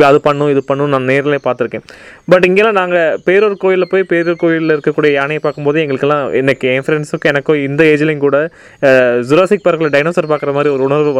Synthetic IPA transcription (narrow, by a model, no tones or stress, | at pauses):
ɐðɯpɐɳːʊ̃ɪðɯpɐɳːʊ̃naːmɐneːɾɐleːpaːɾt̪ːɪɾɯkːẽːbɐʈːɪŋɡeːlːãːnaːŋɡɐpeːɾɔɾɯkoːjɪlɐpoːjipeːɾoɾɯkoːjɪlɪɾɯkːɐkːuːɽɐjɐjaːnɐjɐpaːɾkɯmpoːðɯɛŋɡɐɭɯkːɛlːãːɪnɐkːɛnfɐɾɛnsɯkːɯ̃ɛnɐkːõːɪnd̪ɐeːd͡ʒɐlɪŋkuːɽɐ | zʊɾaːsɪk̚pɐɾɣɐɭɖɐɪnoːsɐɾpaːɾkɪɾɐmaːd̪ɾiɔɾɯʊɳɐɾʋɯ